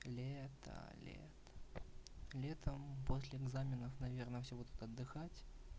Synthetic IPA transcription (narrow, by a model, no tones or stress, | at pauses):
lʲet̪ə̰lʲḛt̪ | lʲet̪əmposʲlʲɪɛɡzamʲɪnəfnɐvʲernəfsʲebud̪ʊt̪ɐd̪ːɨxatʲ